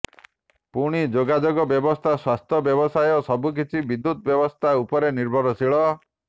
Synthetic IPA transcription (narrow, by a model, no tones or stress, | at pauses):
puɽ̃id͡ʒoɡad͡ʒoɡɔbjɔbɔst̪ʰaswast̪ʰɔbjɔbɔsajɔsɔbuk̬it͡ʃʰibid̪ːut̪̚bjɔbɔst̪ʰaupɔɾeniɾbʱɔɾɔsiɭɔ